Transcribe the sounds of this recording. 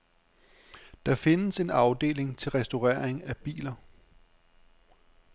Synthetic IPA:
d̥ɑ̈fe̝nəse̝nɑ̈ʊd̥e̝̰ːle̝ŋt͡sʰe̝lʁɛsd̥o̝ʁɛːɐ̰eŋæb̥ḭːlɐ

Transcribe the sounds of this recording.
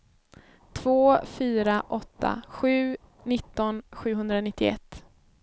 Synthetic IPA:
t̪ʰv̥oːfyːɾaʔɔt̪ːa̰ɧʉ̟ː | nɪt̪ːɔnɧʉ̟ːɦɵnd̪ɾanɪt̪ʰːɪɛ̰t̪ː

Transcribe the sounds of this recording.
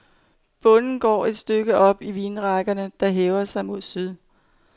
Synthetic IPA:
b̥ɔ̽nn̩ɡ̥ɒ̰ːe̝d̥sd̥øɡ̥əʔɒ̽b̥iʋiːnʁɑ̈ɡ̥ɐnəd̥ɑ̈ɦeːʊɐsɑ̈ɪmo̝ðˠsyð̞ˠ

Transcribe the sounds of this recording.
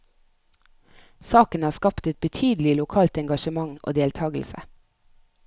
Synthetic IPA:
sɑːkənɑːskɑpt̪ɛt̪̚bət̪ʰyːd̪l̩ɪlʊkʰɑːlt̪ɛŋɡɑʃəmɑŋʔo̰ːd̪eːlt̪ʰɑːɡl̩sə̰

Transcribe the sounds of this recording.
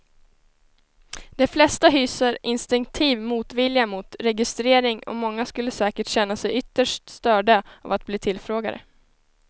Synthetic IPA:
d̪ɛflɛst̪aɦyːsəɾɪnst̪ɪŋk̚t̪ʰiːvmuːt̪vɪljamut̪ɾɛɡɪst̪ɾeːɾɪŋɔ̰mɔŋːaskɵlːəsɛːkəʈɕɛnːasɛjʏt̪ːəʂʈst̪œːɖaa̰vat̪̚bliːt̪ʰɪlfɾoːɡa̰ɾə̰

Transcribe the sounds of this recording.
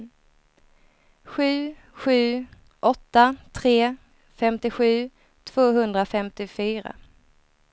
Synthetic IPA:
ɧʉ̟ː | ɧʉ̟ː | ʔɔt̪ːat̪ʰɾeː | fɛmt̪ɪɧʉ̟ː | t̪ʰv̥oːɦɵnd̪ɾafɛmt̪ɪfyːɾa̰

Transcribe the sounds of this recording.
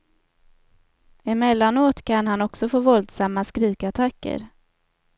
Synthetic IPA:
ɪmɛlːanoːt̪kʰanɦanɔksɔfoːvɔld̪samːaskɾiːkat̪ʰakːə̰ɾ

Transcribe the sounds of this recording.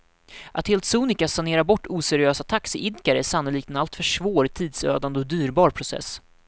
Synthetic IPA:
ʔat̪heːlt̪suːnɪkasaneːɾabɔʈːuːsɛɾɪøːsat̪ʰaksɪʔɪd̪kaɾəæʂanːʊliːkt̪ɛnalt̪fœʂvoːɾt̪ʰiːd̪sø̰ːd̪and̪əɔd̪yːɾbɑːɾpʰɾʊsɛ̰sː

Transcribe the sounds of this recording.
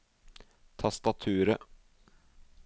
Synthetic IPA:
t̪ʰɑst̪ɑt̪ʰʉːɾə

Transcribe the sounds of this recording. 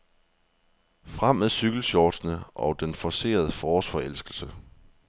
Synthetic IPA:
fʁam̰æðˠsyɡ̥l̩ɕɒːd̥snəʔɒ̽d̥enfɒse̝̰ːɐð̞ˠəfɒːsfɒ̽el̰sɡ̥l̩sə

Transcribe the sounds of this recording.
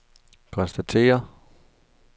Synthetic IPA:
kʰɒ̽nsd̥æt͡sʰe̝̰ːɐ

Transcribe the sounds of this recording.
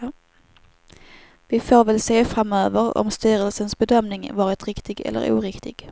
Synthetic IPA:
vɪfoːɾvɛlseːfɾamøːvəɾɔ̰mst̪yːɾəlsənsbɛd̪œmnɪŋvɑːɾɪt̪ɾɪkt̪ɪɡɛ̰lːə̰ɾṵːɾɪkt̪ʰɪɡ̥

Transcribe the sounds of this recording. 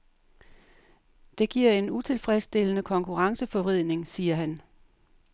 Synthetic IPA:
d̥e̝ɡ̥iɐ̰e̝nut͡sʰe̝lfʁɛsd̥e̝lənəkʰɒ̽ŋkʰuʁɑ̈ŋsəfɒ̽ʋʁið̞̰ˠne̝ŋsiːɐɦæn

